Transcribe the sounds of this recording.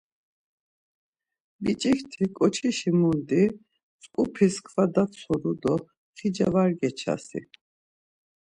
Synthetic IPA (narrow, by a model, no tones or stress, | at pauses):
bit͡ʃʼikt̪ʰikʼɔt͡ʃʰiʃimund̪i | t͡sʼkʼupʰiskʰvad̪at͡sʰɔɾud̪ɔ | χid͡ʒavaɾɡɛt͡ʃʰa̰sḭ